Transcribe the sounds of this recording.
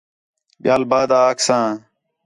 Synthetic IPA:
ɓɪjaːlbaːd̪aːksãː

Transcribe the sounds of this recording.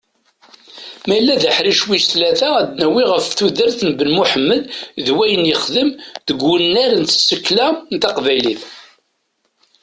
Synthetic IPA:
mæjlːæðəħɾiʃwisθlæθææd̪næwiʁəfθuðəɾθnbənmuħəmːəlðwæjənjəχðəmðəɡːənːæɾənt̪sːəkːlænt̪ɑqvæjliθ

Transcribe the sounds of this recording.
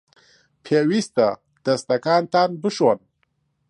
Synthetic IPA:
pʰewist̪a | d̪̥ɐst̪ɐkaːnt̪aːnbɨʃwan

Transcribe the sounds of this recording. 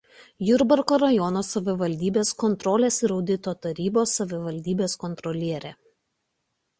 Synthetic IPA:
jʊɾbɐɾkoːɾɐjɔnoːsɐʋʲɪʋɐlʲd̪ʲiːbʲeːskɔnt̪ɾɔːlʲeːsɪɾɒʊd̪ʲɪt̪oːt̪ɐɾʲiːboːsːɐʋʲɪʋɐlʲd̪ʲiːbʲeːskɔnt̪ɾɔlʲiɛɾʲe

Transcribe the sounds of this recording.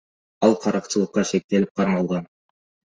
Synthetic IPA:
ɑlˠqʰɑɾɑqt͡ʃɯlˠɤqːɑʃe̞k̚t̪e̞lip̚qʰɑɾmɑlˠʁɑn

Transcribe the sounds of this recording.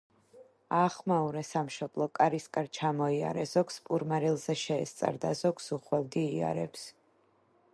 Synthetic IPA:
aːχmauɾɛsamʃɔb̥lˠɔkʼaɾiskʼaɾt͡ʃʰamɔia̰ɾɛzɔkspʼuɾmaɾilˠzɛʃɛːst̪sʼa̰ɾd̪azɔksuχwɛld̪iːa̰ɾɛps

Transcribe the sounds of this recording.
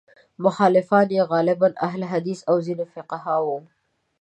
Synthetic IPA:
mʊxɑːlɪfɑːnjeɣɑːlɪbanʔaɦlɦad̪isawzinofɪqaɦɑwu

